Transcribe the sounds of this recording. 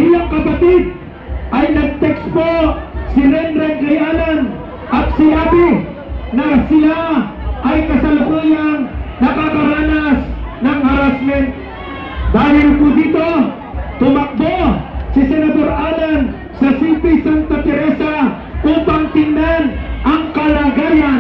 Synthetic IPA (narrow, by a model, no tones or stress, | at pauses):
ʔɪlaŋkɐpɐt̪ɪd̪̚ | ʔɐjnɐɡ̚t̪ɛksposɪlɛnɾɛnɡɐjaːlan | ʔɐt̪̚sɪlaːpɪ | nɐsɪlaʔɐjkɐsɐlakuːjaŋnɐkakɐɾaːnasnɐŋhɐɾasmɛnt̪̚ | d̪aːɦɪlkʊd̪iːt̪o̞ | t̪ʊmɐk̚bosɪsɛnɐd̪oɾʔaːlan | sɐsipɪsant̪ɐp̪ɛɾɛsa | ʔuːpaŋt̪ɪnd̪anʔɐŋkɐlaɡajan